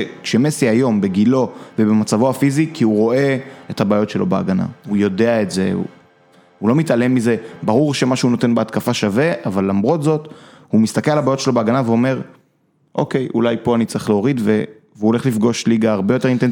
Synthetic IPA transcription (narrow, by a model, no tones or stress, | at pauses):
kʃe̞me̞siajo̞mbe̞ɡilo̞vebemat͡savoafizikʰiuʁo̞ʔe̞ethabaːjo̞tʃe̞lo̞bea̰ɡana̰ujo̞de̞aetze̞ṵ | hulo̞mit̪ale̞mːize̞baʁuʁʃe̞maʃuuno̞t̪e̞nbeat̪kafaʃave̞ʔavalːamʁo̞t̪zo̞t̪ | humist̪akelalabaːjotʃe̞lo̞beaɡanaveo̞me̞ʁ | ʔo̞ke̞jṵlajpo̞anit͡siχleoʁid̪ve | veuole̞χlifɡo̞ʃliɡaːʁbeot̪e̞ʁint̪en